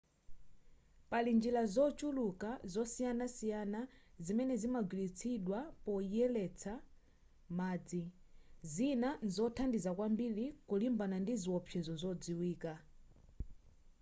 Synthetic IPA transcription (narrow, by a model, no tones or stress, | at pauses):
palind͡ʒilazɔt͡ʃulukazɔsijanasijanazimɛnɛzimaɡwilit͡sʰiɗwapɔjɛlɛt͡sʰa | maːd͡zi | zinanzɔtʰandizakwambilikulimbanandiziwɔpʰɛzɔzɔd͡ziwiːka